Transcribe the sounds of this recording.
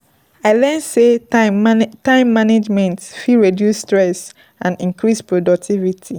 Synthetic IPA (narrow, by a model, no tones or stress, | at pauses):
aɪlɛnse | tãɪ̃mːaned͡ʒmɛ̃ntfiɹedjusːtɹɛs | ãnĩŋkɹispɹodɔk̚tʰivitʰi